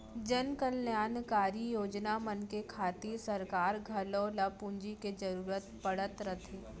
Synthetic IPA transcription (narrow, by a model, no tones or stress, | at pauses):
d͡ʒənkəljaːnkaːɾijoːd͡ʒnamənkekʰaːt̪isɐɾkaːɾɡʱɐloːlɐpũnd͡ʒiked͡ʒɐɾuːɾət̪pəɽ̤ət̪ɾət̪ʰeː